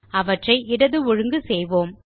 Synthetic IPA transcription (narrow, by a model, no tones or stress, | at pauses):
ɐʋɐʈrɐɪʔɪɽɐðɯɔɻɯŋɡɯsɛjʋoːm